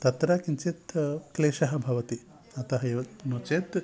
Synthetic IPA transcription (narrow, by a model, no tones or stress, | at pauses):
t̪ɐt̪ɾaːkint͡ʃeːt̪kleːʃɐɦɐbʱɐʋɐt̪i | ɐt̪ɐɦɐeʋɐnoːt͡ʃeːt̪